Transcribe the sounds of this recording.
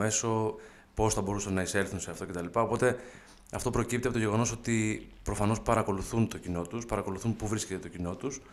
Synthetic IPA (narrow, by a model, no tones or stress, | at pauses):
e̞so̞ | po̞sθɐbo̞ɾusɐnːɐise̞lθunse̞ɐft̪o̞cet̪ɐlipɐo̞po̞t̪e̞ | ɐft̪o̞pɾo̞cip̚t̪ieɐpot̪je̞ɣo̞no̞so̞t̪ipɾo̞fɐno̞spɐɾɐko̞luθunt̪o̞cino̞t̪uspɐɾɐko̞luθunpuvɾiscet̪et̪ocino̞t̪us